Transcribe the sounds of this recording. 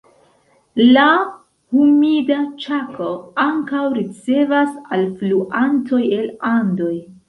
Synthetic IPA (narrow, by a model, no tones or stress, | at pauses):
la | humidat͡ʃako̞aŋkawɾit͡se̞vasalfluʔantʰo̞je̞lando̞j